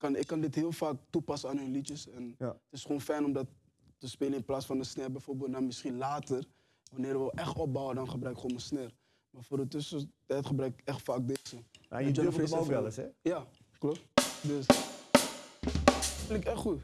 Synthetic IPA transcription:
kɑnɪkːɑndɪtɦɪːəlˠfaːk̚tupɑsəaːnɦønlitəsɛnətɪsχoːnfɛjnɔmdɑtː | əspeːlənɪnplaːsfɑndəsnɛrbɛjfoːrbeːlˠdɑnmɪsχinlaːtər | ʋanɪːɾʋəʔɛχtɔb̚bɔwədɑnχəbɾœɥkχoːnməsnɛr | maːrfoːrdətɵsətɛjtχəbɾœɥkɪkɛχtfaːk̚deːzəa̰ɔkɛləsɛja | klɔdøs | fɪnɪkɛχχut

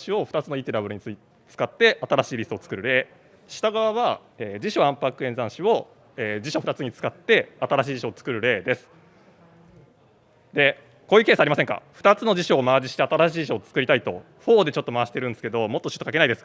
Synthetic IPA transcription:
ɕio̞ɸɯ̟t̪at͡sɨnoiːt̪eɾabɯ̟ɾɯ̟ɲ̟it͡sɨ | t͡sɨ̥kat̪ːe̞ʔat̪aɾaɕiːɾʲisot͡sɨ̥kɯ̟ɾɯ̟ɾe̞ː | ɕi̥t̪aɡaβaβa | eːd͡ʑiɕo̞ãmpakɯenzãɰ̃ɕio̞ | eːd͡ʑiɕo̞ɸɯ̟t̪at͡sɨɲ̟it͡sɨ̥kat̪ːe̞at̪aɾaɕ̬iːʑiɕo̞ːt͡sɨ̥kɯ̟ɾɯ̟ɾe̞ːd̪e̞sɨ̥ | d̪e̞ | ko̞ːiɯ̟keːsaːɾʲimas̬eŋka̰ɸɯ̟̥t̪at͡sɨno̞d͡ʑiɕo̞ːmaːd͡ʑiɕi̥t̪e̞at̪aɾaɕiːʑiɕoːt͡sɨ̥kɯ̟ɾʲit̪ait̪o̞̰ | ɸo̞ːd̪e̞t͡ɕo̞t̪ːo̞maβaɕi̥t̪e̞ɾɯ̃nd̪sɨ̥ke̞d̪o̞mo̞t̪ːo̞ɕɨ̥t̪ːokake̞naid̪e̞sɨ̥k

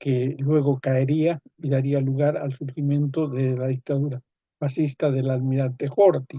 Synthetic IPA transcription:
kelwe̞ɣo̞kaeɾiaiðaɾialuɣaɾalsuɾximjẽ̞nt̪o̞ðelaðik̚t̪aðuɾa | βasist̪aðe̞laðmiɾant̪exoɾt̪i

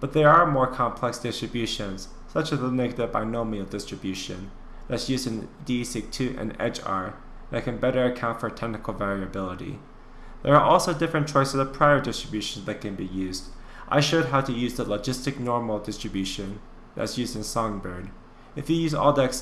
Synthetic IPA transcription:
b̥ʌt̪̚ðə˞əmɔɹkʰɑ̃mpʰl̥ɛksd̥ɪstɹ̥ɨbjʉʃɨ̃nz̥ | sʌt͡ʃɨzðənɛɡɨɾɨvba̰ɪnoʊmilˠdɪstɹ̥ɨbjʉʃɨ̰̃n | ðætsjʉzdɨ̃ndisɪtʰʉʔɨ̰̃nɛ̰t͡ʃɑ̰ɹ | ðɨt̚kʰɨ̃nbɛɾə˞ɨkʰãʊ̃ntfə˞tʰɛk̚nɨkl̩ˠvɛɹiɨbɪlˠəɾḭ | ðə˞ːʔɔlˠsoʊdɪfɹɨ̃nt͡ʃʰɔɪsəvðəpʰɹ̥aɪə˞dɪstɹ̥ɨbjʉʃn̩zðɨt̚kʰɨ̃nbijʉzd | ʔa̰ɪʃəd̚ɦaʊɾɨjʉzðələd͡ʒɪstɨk̚nɔɹml̩ˠdɪstɹ̥ɨbjʉʃɨ̃n | ðæ̰tsjʉzdɨ̃nsɑ̃ŋbə˞ɡ | ɨfjɨjʉzɔ̰lˠdɛks

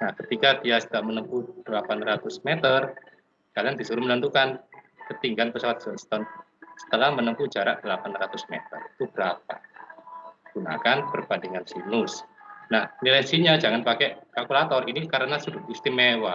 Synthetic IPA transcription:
nahkət̪ikadiasədaʔmənəmpud̥əlapanrat̪ʊsmet̪ər | kaliaŋdisuɾumələnt̪ukan | kət̪iŋɡanpəsawat̪̚sɔʔst̪ɔn | sə̥t̪əlahmənəmpud͡ʒaɾa̰ʔdəlapanrat̪ʊsmḛt̪ə̰rit̪ubəɾap̚a̰ | ɡ̥una̰kanpərb̥andiŋansilʊsnahnilasiɲad͡ʒaŋanpakɛʔkalkulat̪ɔrinikaɾənasudʊist̪imewa

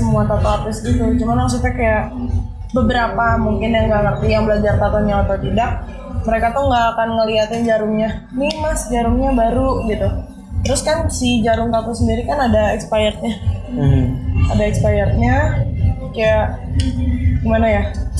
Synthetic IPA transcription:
səmuat̪at̪aat̪ɪsɡit̪ut͡ʃumanlaŋs̬ut̪akajaʔ | bəbəɾapamuŋkɪnjaŋɡamərt̪ijaŋbəlad͡ʒart̪at̪aɲaːt̪awt̪idaʔ | məɾekat̪ʊhŋɡaːkanŋəliat̪ɪnd͡ʒaɾʊŋɲanimasd͡ʒaɾʊŋɲabaɾuɡit̪u | t̪əɾʊskansid͡ʒaɾʊŋk̪at̪usəndiɾikanadaɛkspajərɲa | adaɛkspajərɲa | kajaʔ | ɡimanaja

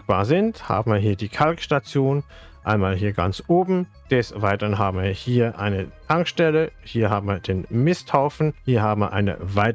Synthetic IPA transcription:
k̚b̥aːɐzɪntha̰ːbm̩viːɐɦiːɐdiːkʰalkʃtat͡sjoːn | ʔa̰ɪnmaːlɦiːɐɡa̰nt͡sʔoːbm̩ | d̥ɛsvaɪtəʁənɦaːbm̩viːɐhiːɐʔa̰ɪnətʰaŋkʃtɛləhiːɐɦaːbm̩viːɐdeːnmɪstʰaʊfn̩hiːɐɦaːb̩viːɐʔa̰ɪnə̰vaɪt

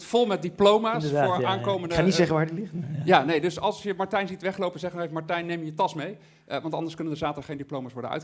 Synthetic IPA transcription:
folˠmɛt̚diplowmaːsfʊːɹaːnkowməndəanisɛχəʋaːɹdilɪχtjanejdɵsɑ̰lˠsjəmɑɹtɛjnzitʋɛχlowpənzɛχənɛkmɑɹtɛjnejmjəjətɑsmej | ʋɑntɑ̰ndəɹskɵnəndəzaːtəχejndiplowmaːsʋɔɹdənœ̰ɥtχ

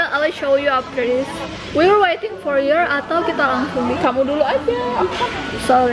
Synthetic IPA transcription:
ʔalaʃowjuap̚dɛdɪs | wiwəwejt̪ɪŋfɔɹjɔɹat̪awkit̪alaŋsuŋdikamuduluajfi | sɔi

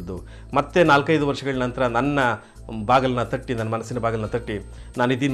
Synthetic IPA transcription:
d̪ːu | mɐt̪ːe̞naːlkɐjd̪uʋɐɾʂɐɡɐɭinɐnt̪ɐɾɐnɐnːɐ | bʱaːɡɐlɐnːɐt̪ɐʈːinɐnːɐmɐnɐsːinɐbʱaːɡɐlnːɐt̪ɐʈːi | naːnid̪in

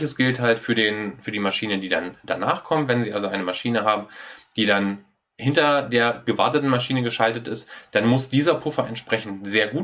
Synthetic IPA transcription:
çəsɡ̥ɪlthaltfyːɐdeːnfyːɐdiːmaʃiːnədiːdand̥a̰naːχkʰɔmntvɛnziːa̰lzoʔaɪnəmaʃiːnəɦaːbm̩d̥iːdan | hɪntɐdeːɐɡəvaɐtətn̩maʃiːnəɡəʃaltətɪstd̥anmʊsd̥iːzɐpʰʊfɐʔɛ̰ntʃpʁ̥ɛçn̩tz̥eːɐɡuː

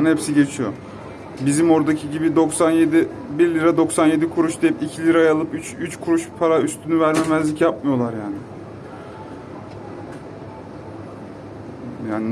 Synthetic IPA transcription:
nhepsiɟe̞t͡ʃʰijo̞̰ | bizimo̞ɾd̪acʰiɟibid̪o̞ksanjed̪i | biɾlʲiɾad̪o̞ksanje̞d̪ikʰuɾuʃd̪ejipicʰilʲiɾajalˠɯpyt͡ʃyt͡ʃkʰuɾuʃpʰaɾayst̪ʰynyvæɾmemæzlʲicjapmɯjo̞lˠaɾjaːnɪ | jaːn

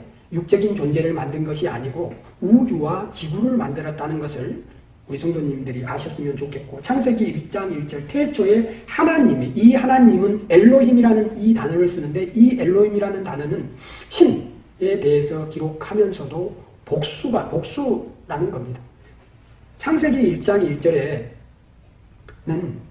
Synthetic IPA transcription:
juk̚t͡ɕ͈ʌɡint͡ɕond͡ʑe̞ɾɯɭmandɯnɡʌɕʰia̰ɲiɡoud͡ʑuwat͡ɕiɡuɾɯɭma̰ndɯɾʌt̚t͈anɯnɡʌsʰɯɭ | esʰʌŋdoɲimdɯɾiʔaɕʰʌs͈ɯmjʌnt͡ɕokʰe̞t̚k͈ot͡ɕʰaŋsʰe̞ɡiiɭt͡ɕ͈aŋiɭt͡ɕ͈ʌɭtʰe̞t͡ɕʰʌe̞hanaɲimeʔihanaɲimɯne̞ɭːoɦimiɾanɯnitanʌɾɯɭs͈ɯnɯnde̞ʔie̞ɭːohimiɾanɯntanɯnɯnɕʰin | e̞te̞ɦesʰʌkiɾok̚ʰhamjʌnsʰʌdo | pok̚s͈uɡapok̚s͈uɾanɯnɡʌmɲida | t͡ɕʰaŋsʰe̞ɡiːɭt͡ɕ͈aŋiɭt͡ɕ͈ʌɾe̞ | nɯn

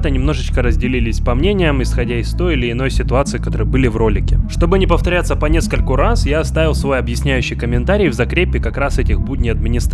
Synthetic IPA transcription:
t̪ənʲɪmnoʐɨt͡ɕkəɾəzʲdʲɪlʲilʲɪsʲpɐmnʲenʲɪjəmɪsxɐdʲaɪst̪o̞jɪlʲɪɪno̞jsʲɪt̪ʊat̪sɨɪkɐt̪o̞ɾəjəbɨlʲɪvro̞lʲɪkʲɪʂt̪o̞bɨnʲɪpəft̪ɐɾʲat̪səpɐnʲe̞skəlʲkʊɾasjaɐst̪avʲɪlˠsvo̞jɐbjɪsʲnʲæjʉɕːɪjkəmʲɪnt̪aɾʲɪjvzɐkɾʲepʲːɪkɐkɾasɛtʲɪxbudʲnʲɪjɐd̪mʲɪnʲɪst̪

